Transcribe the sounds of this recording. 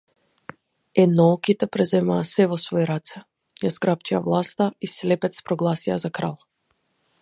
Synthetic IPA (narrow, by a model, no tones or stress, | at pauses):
ɛd̪nɔɔkit̪ɛpɾɛzɛmaːsɛvɔsvɔjɾat̪sɛ | jazɡɾapt͡ʃia̰vlˠast̪aislɛpɛt̪spɾɔɡlˠasiazakɾa̰lˠ